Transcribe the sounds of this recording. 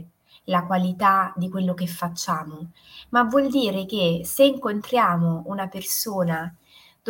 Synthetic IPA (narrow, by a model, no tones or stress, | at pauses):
lakwalit̪ad̪ikwelːokefːat͡ʃːaːmo | mavːwɔld̪iːɾek̟eseiŋkont̪ɾjaːmounapersoːna | d̪̥